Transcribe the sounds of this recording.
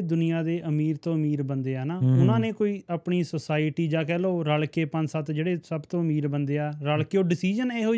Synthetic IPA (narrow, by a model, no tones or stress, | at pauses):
d̪ʊnijãːd̪eːʔəmiːɾt̪õːəmiːɾbənd̪eːaːnaːʊnãːnẽːkoːiːaːpɳiːsəsaːɪʈiːd͡ʒãːkɛːloːɾalkeːpə̃sət̪d͡ʒeːɽeːsəbt̪õːəmiːɾbənd̪eːaːɾaːlkeoːɖɪsiːd͡ʒəneːɦoː